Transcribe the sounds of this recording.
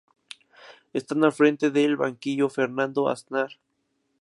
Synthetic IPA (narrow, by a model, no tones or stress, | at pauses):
est̪analfɾe̞nt̪eðeːlβa̰ŋkiʝofeɾnãnd̪oa̰snaɾ